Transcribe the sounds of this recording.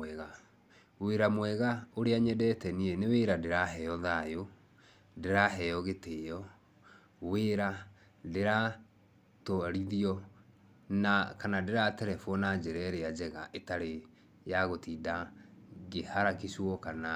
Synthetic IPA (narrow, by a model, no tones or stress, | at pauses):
ɛɣa | weɾamwɛɣaoɾeaɲɛdɛtɛniɛneweɾadeɾaɦɛjɔðajo | deɾaɦɛjɔɣeteːjɔ | weɾa | deɾa | toɾiðiɔ | nakanadeɾatɛɾɛfɔnad͡ʒɛɾɛɾead͡ʒɛɣaʔetaɾe | jaɣotidaɡehaɾakiswɔkana